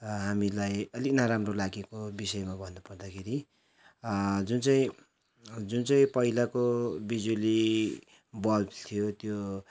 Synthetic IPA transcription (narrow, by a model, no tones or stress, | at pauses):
ɦamilajʌlinaɾamrolaɡekobisʌjmabʱʌnːupʌrd̪akʰeɾi | d͡zunt͡saĩ | d͡zunt͡saĩpʌilakobid͡zuli | bʌlt̪ʰijot̪jo